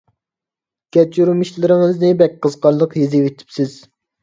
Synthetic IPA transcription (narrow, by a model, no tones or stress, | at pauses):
ɡʲɛt͡ʃyɾmiʃlɪɾɪŋɨznɪbɛk̚ʲqəzqɑɾlˠəqjezɪwet̪ʰi̥psɪz̥